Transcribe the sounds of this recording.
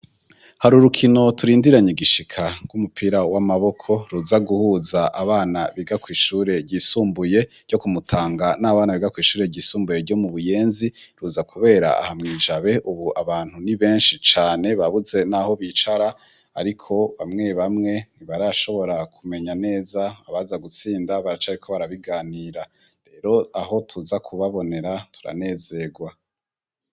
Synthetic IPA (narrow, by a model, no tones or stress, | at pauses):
haɾuɾukʰino̞tuɾiːndiɾaɲiɡiʃikʰaɡ̥ɡumupʰiːɾawamaβo̞kʰo̞ɾuzaɡuhuːzaʔaβaːnaβiɡakwiːʃuːɾe̞ɾɟisuːmbuje̞̥ | ɟ̥o̞kumutʰaːŋɡanaːβaːnaβiɡakwiːʃuːɾe̞ɟiːsuːmbuje̞ɾɟo̞muβuje̞ːnziɾuːzakʰuβe̞ːɾa̰a̰hamŋiːʒaβe̞ʔuβuʔaβaːn̥huniβe̞ːnʃit͡ʃaːne̞βaβuze̞naho̞βit͡ʃaɾa | a̰ɾikʰo̞βamŋe̞βamŋe̞niβaɾaʃo̞βo̞ɾakʰume̞ɲane̞ːzaːβazaɡut͡siːndaβaɾat͡ʃaɾikʰo̞βaɾaβiɡaːniːɾa | ɾe̞ːɾo̞aɦo̞tʰuzakʰuβaβo̞ne̞ɾatʰu̥ɾa̰ne̞ːze̞ɡwa